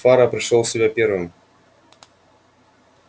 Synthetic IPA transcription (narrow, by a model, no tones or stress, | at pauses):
faɾəpɾʲɪʂˠolˠsʲɪbʲapʲe̞rvɨm